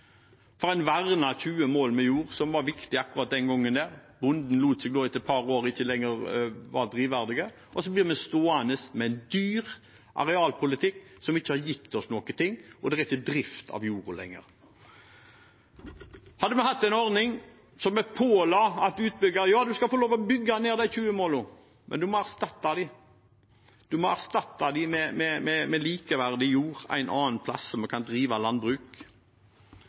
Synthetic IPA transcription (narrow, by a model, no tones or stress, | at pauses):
fɔɾæɪnʋæʁnɑçʉːəmoːlmɛjuːʁsɔmʋɑɾʋɪkt̪ɪɑkʉʁɑt̪̚d̪ɛnɡɔŋːənd̪ɛʁbʊnd̪n̩luːt̪sɛɡ̚d̪oːɛt̪ɛt̪̚pʰɑɾoːɾəɪçːəlɛŋːəʁʋɑd̪ʁiːʋæʁd̪ɪɡə | ɔsɔbliːmɛst̪oːɑnəsmɛɛɪnd̪yːʁ | ʔɑ̰ɾɛɑːlpʰʊlɪt̪ʰɪkːsɔmɪçːəhɑɾjɪt̪ʰːɔsnɔkət̪ʰɪŋːɔd̪ɛʁɛɪçːəd̪ɾɪft̪ʰɑ̰ʋjuːʁlɛ̰ŋːə̰ʁ | hɑd̪əmɛhɑt̪ːæɪnɔʁnɪŋ | sɔmɛpʰoːlɑɑt̪ʉːt̪̚bʏɡɑɾjɑːd̪ʉskɑfɔloːʋɔbʏɡːɑneːʁd̪æɪçʉːəmoːlʊ | mʔɛ̰nd̪ʉmɔæʁst̪ɑt̪ːɑd̪ɪ | d̪̥ʉmɔæʁst̪ɑt̪ːɑd̪ɪmɛmɛmɛmɛliːkəʋæʁd̪ɪjuːʁæ̰ɪnʔɑːnpʰlɑ̰sːɔmɛkʰɑnd̪ʁiːʋɑlɑnbʁʉːk